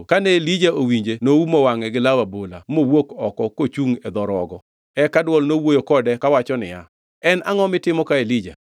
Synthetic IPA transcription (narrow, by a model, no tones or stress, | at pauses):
kanelid͡ʒaowiɲd͡ʒenoumɔwaŋɛɡɪlawabola̰mowokɔkɔkot͡ʃuŋɛd̪ɔɾɔɡɔ | ɛkadwɔlnowojokɔdɛkawat͡ʃɔnɪ̰ja | ɛnʔa̰ŋɔmɪtɪmɔkaelid͡ʒa̰